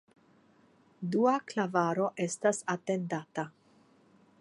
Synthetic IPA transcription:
duaklavaɾo̞ʔe̞stasate̞ndata

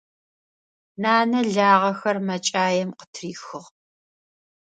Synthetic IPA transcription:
naːnɐɮaːʁɐxɐrmɐt͡ʃʼaːjɛmqə̥tʰriːxɨʁ

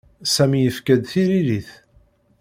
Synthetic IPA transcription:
sæmijəfkæd̪θiɾiliθ

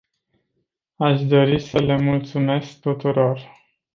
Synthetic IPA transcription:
aʃd̪o̞ɾisəle̞mult̪sume̞sk̚t̪ut̪uɾo̞r

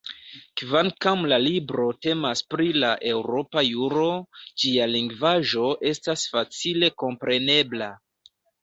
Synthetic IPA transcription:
kvaŋkamlalibɾo̞te̞maspɾilaʔe̞wɾo̞pajuɾo̞d͡ʒialiŋɡvaʒo̞ʔe̞stasfat͡sile̞ko̞mpɾe̞ne̞bla

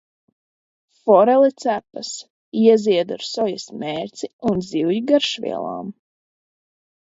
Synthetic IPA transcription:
fɔɾɛlˠit̪sæpɐs | iɛziɛd̪a̰ɾsɔjasmeːɾt̪siunziwjiɡaɾʃvḭɛ̰lˠa̰ːm

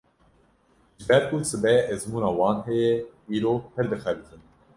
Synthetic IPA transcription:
ʒɨbɛɾkusɨbɛʔɛzmuːnɑːwɑːnɦɛjɛiːɾoːpɨɾd̪ɨxɛvit̪ʰɨn

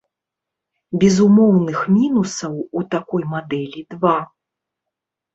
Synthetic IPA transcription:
bʲɛzumɔwnɨxmʲinusɐwut̪akɔjmad̪ɛlʲid̪va

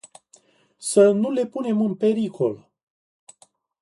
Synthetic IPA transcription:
sənule̞pune̞mɨnpe̞ɾikʰo̞l

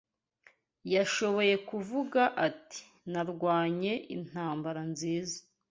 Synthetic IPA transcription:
jaʃo̞βo̞je̞kuvuɡaʔati̥ | naɾɡwaːɲe̞ʔḭn̥haːmbaɾanziːzḁ

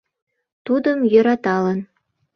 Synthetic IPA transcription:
t̪ud̪əmjø̆ɾɑt̪ɑlɤn

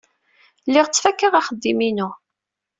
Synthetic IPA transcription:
lːɪʁt͡sːfækːəʁaχəd̪ːiminʊ

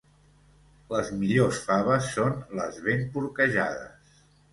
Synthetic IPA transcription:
ləzmiʎosfaβəsːonləzβempuɾkəʒa̰ðə̰s

